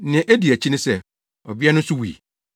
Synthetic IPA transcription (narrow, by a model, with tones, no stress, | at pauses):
nɪ̃˨ʔæ˦di˨æ˨t͡ɕʰi˦nɪ̃˦sɛ˦ | ɔ˨bi˦ɛ˦nʊ̃˦sʊ˦wḭ˨